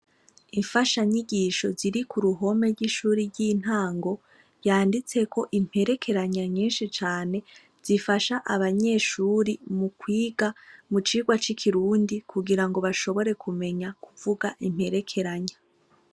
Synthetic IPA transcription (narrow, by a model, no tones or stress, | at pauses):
iɱfaʃaɲiɡiʃo̞ziɾikuɾuɦo̞me̞ɾɡiʃuːɾiɾɟiːn̥haːŋɡo̞ | jaːndit͡se̞kʰo̞ʔim̥he̞ɾe̞kʰe̞ɾaɲaɲiːnʃit͡ʃaːne̞ | z̥ifaʃaʔaβaɲe̞ːʃuɾimukwiːɡamut͡ʃiːɡwat͡ʃikʰiɾuːndikuɡiɾaŋɡo̞βaʃo̞βo̞ɾe̞kʰume̞ɲakʰuvuɡaʔim̥he̞ɾe̞kʰe̞ɾaɲa